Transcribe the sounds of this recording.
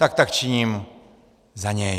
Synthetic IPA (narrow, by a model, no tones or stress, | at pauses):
t̪ak̚t̪akt͡ʃiɲĩm | zaɲe